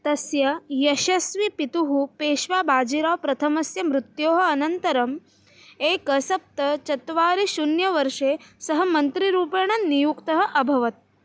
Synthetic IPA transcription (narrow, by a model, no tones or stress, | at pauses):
t̪ɐsjɐjɐʃɐsʋipit̪uɦupeːʃʋaːbʱaːd͡ʒiɾaːpɾɐt̪ʰɐmɐsjɐmɾut̪joːɦɐ̆ɐnɐnt̪ɐɾɐm | eːkɐsɐp̚t̪ɐt͡ʃɐt̪ʋaːɾiʃunjɐʋɐɾʂeːsɐɦɐ̆mɐnt̪ɾiɾuːpɐɳ̃ɐnːijukt̪ɐɦɐ̆ʔɐbʱɐʋɐt̪̚